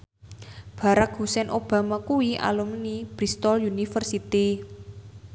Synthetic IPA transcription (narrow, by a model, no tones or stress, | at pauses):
b̥a̤ɾak̚ɦusɛnʔob̥a̤makuwia̰lumnib̥ɾist̪ɔljunifərsit̪i